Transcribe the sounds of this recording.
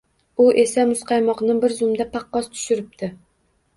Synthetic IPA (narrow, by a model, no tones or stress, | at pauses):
uʔesɛmʊsqʰɑjmɑqnɨbɪɾzʊmd̪ɛpʰɑqːɑst̪ʰʊ̥ʃyɾɪp̚t̪ʰɪ